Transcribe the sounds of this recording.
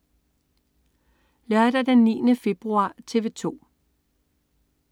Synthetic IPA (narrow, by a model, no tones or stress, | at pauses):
læɐd̥ɐd̥enːḭːnəfe̝b̥ʁuɑ̰̈ːt͡sʰe̝ʋe̝t͡sʰo̝̰ː